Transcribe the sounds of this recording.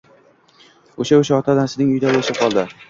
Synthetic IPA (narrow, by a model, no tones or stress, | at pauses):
oʃaoʃaɒt̪ʰad̪asɪnɪŋʊjd̪abolɪʃɪqʰɒlˠd̪ɪ